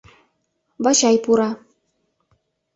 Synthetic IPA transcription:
bɑɕɑjpuɾɑ

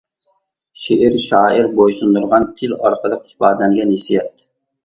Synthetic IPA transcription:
ʃeʔɪɾʃɑːʔəɾbojsund̪uɾʁɑnt̪ʰɪlɑ̰ɾqʰəlˠəq̚hi̥bɑːd̪ɛlɛŋɡʲɛnhesijɛt̪

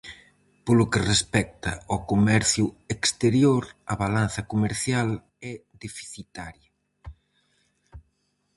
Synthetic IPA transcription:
polʊkerespɛk̚t̪ɐokomɛɾθjʊekst̪eɾjoɾɐβalanθɐkomeɾθjal | ɛðefi̥θit̪aɾjɐ

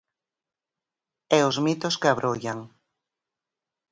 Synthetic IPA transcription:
ɛʊzmit̪oskeaβɾʔojaŋ

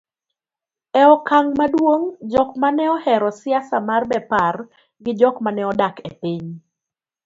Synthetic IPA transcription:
ɛɔkaŋmadwoŋd͡ʒɔkmanɛɔhɛɾɔsɪasamarbɛpar | ɡɪd͡ʒɔkmanɛɔdakepɪɲ

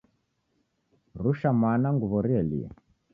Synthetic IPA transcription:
ruʃamanaŋɡuβɔɾiɛlḭɛ̰

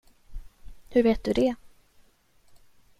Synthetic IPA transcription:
hɵɾveːt̪̚d̪ɵd̪ɛ

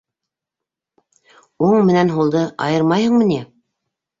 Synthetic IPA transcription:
uɴmɘ̆nænɦulˠd̪ɤʔɑ̰jɤɾmɑjhɤ̆ɴmɤ̆ni

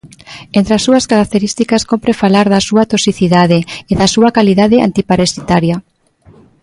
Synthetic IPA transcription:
ent̪ɾasːuɐskaɾak̚t̪eɾist̪ikaskompɾefalaɾðasuat̪osiθiðaðeeðasuakaliðaðea̰nt̪ipaɾesit̪aɾja

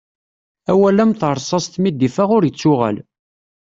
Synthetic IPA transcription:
æwælæmθəɾˤsˤɑst̪mid̪ifæʁʊɾjət͡sːʊʁæ̰l

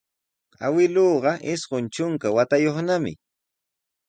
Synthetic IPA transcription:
a̰wɪloːɢɑʔɪsɢʊnt͡ʃʊŋkawat̪ajoχnamɪ̰

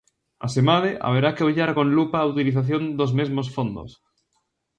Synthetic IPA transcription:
a̰semað̞eʔa̰β̞eɾakeoʎaɾkõnlupaːut̪iliθaθjond̪ozmezmosfond̪o̰s

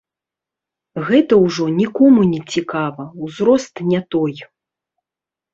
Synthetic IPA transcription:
ɣɛt̪ɐwʐɔnʲikɔmunʲɛt͡sʲikavɐwzɾɔst̪nʲɛt̪ɔj

